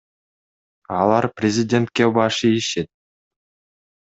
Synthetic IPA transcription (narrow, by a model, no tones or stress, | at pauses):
ɑlˠɑɾprʲɪzʲɪdʲe̞nt̪̚kebɑʃɯiʃet̪̚